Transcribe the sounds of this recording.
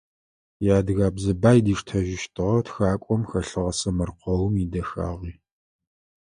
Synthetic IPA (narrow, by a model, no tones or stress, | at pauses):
jaːdɨɣaːbzɨbaːjdiːʂtʰɐʒɪʃtʰʼɨʁɐtxaːkʷʼɔmxɐɬɨʁɐsɐmɐrqʷʰɔwmidɐxa̰ːʁiː